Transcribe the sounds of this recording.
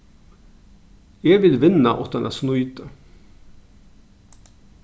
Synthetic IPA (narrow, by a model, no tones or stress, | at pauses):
eːʋɪlʋɪnɑʔɔt̪ɑnʔæ̰ːsnʊʏt̪ə